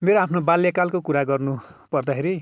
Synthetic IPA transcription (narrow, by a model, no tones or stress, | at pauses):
meɾoapʰnobaljakalkokuɾaɡʌrnupʌrd̪akʰeɾi